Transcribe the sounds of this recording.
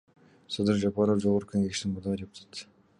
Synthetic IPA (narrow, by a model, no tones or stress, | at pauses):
sɑd̪ɨɾʒapɑɾofd͡ʒoʁoɾəkʰɵŋeɡʲɪʃt̪ɪŋmʊɾd̪ɑʁdʲe̞pu̥t̪ʰɑ̥t̪